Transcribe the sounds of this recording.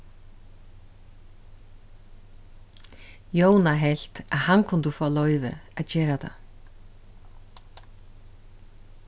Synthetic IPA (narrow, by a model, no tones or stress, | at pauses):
joːwnaɦel̥t̪aðhankʰʊnt̪ʏfɔːalɔːɥjvɪ̰aðt͡ɕɛːɾat̪ʰa̰